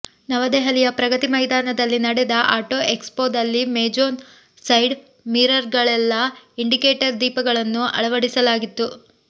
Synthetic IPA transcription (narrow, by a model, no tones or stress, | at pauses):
nɐʋɐd̪ɛɦɐlijɐpɾɐɡɐt̪imɐjd̪aːnɐd̪ɐlːinɐɽɛd̪ɐʔaːʈoːʔekspoːd̪ɐlːimeːd͡ʒoːn | sɐjɖ | miːɾɐɾɡɐɭɛlːɐiɳɖikeːʈɐɾd̪iːpɐɡɐɭɐnːuʔɐ̰ɭɐʋɐɽisɐlaːɡit̪ːu